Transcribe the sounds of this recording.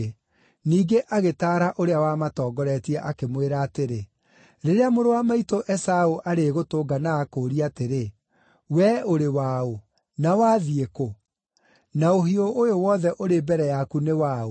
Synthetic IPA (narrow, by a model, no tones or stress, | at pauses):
niːɡeʔaɣetaːɾaʔoɾeawaːmatɔːɡɔɾɛtiɛʔakemweɾaːteɾe | ɾeɾeamoɾowamaitoʔɛsaoʔaɾeɣotoːɡanaːkoɾiateɾe | wɛoɾewao | nawaːðieko | naoɦioʔːjowɔːðɛʔoɾebɛɾɛjakunewaːo